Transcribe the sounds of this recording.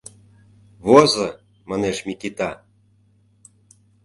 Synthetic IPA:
βozɤ | mɑneʃmikit̪ɑ

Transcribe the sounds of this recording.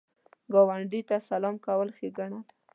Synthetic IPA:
ɡawaɳɖit̪asalɑmkawəlxeɡaɳad̪ḁ

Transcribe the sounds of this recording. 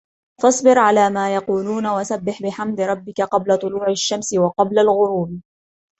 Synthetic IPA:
fɑsˤbɪɾʕalaːmaːjɑquːluːnawasabːɪħbɪħamd̪ɾˤɑbːɪkaqɑblat̪ˤʊluːʕaʃːamsɪwɑqɑblalɣʊɾuːb

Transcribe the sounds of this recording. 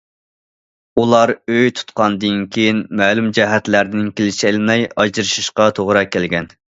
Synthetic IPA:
ulˠɑɾøjt̪ʰu̥t̪̚qɑnd̪ɨnkʲʰejinmɛːlˠumd͡ʒɛɦɛt̪læɾd̪ɪnkʲʰelɪʃɛlmɛjɑd͡ʒɨɾɨʃiʃqɑt̪ʰoʁɾɑkʲælɡʲɛn

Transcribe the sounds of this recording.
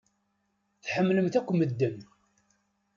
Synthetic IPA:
θħəmːləmt̪ækʷːməd̪ːən

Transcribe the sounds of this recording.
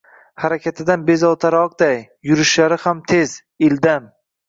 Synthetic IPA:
haɾakʲat̪ʰɪd̪anbe̞zɒlˠt̪ʰaɾɒq̚d̪aj | jʊɾɪʃlaɾɪhamt̪ʰe̞z̥ | ɪld̪am

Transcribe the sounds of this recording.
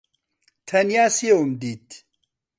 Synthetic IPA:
t̪ʰɐnjaːsiewumd̪iːt̪

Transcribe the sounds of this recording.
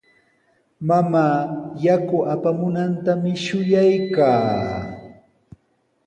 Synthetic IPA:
mamaːjakʊʔapamʊnant̪amɪʃʊjajkaː

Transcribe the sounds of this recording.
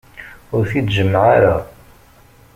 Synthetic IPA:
ʊɾθid̪ʒəmːʕaɾa

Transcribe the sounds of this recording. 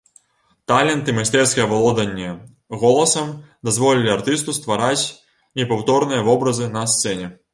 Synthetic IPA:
t̪alʲɛnt̪ɨmajsʲt̪ɛrskʲɐjɐvalˠɔd̪ɐnʲːɛ | ɣɔlˠɐsɐmd̪azvɔlʲilʲiart̪ɨst̪ust̪vaɾat͡sʲ | nʲɛpawt̪ɔrnɨjɐvɔbɾɐzɨnɐst̪sɛnʲɛ

